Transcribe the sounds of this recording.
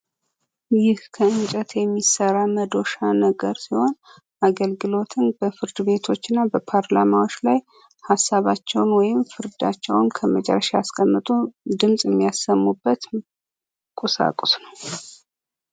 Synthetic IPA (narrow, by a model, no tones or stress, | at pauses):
jɪhkʰəɨnt͡ʃʼət̪ʰjɛmːisəɾaməd̪o̞ʃanəɡəɾsiho̞n | ʔaɡəlɡɨlo̞t̪ʰɨnb̥əfɨɾd̪ɨβe̞t̪ʰo̞t͡ʃːɨnːabəpʰaɾlamawo̞t͡ʃːlaj | hasːaβat͡ʃːɛwnwɔjɪmfɨɾd̪a̰t͡ʃːɛwnkʰəmət͡ʃʼɛ̰rːəʃaaskʼəmːɨt̪ʼud̪ɨmsʼjɛmːijasːəmːubːət̪ | kʼusa̰kʼusnəw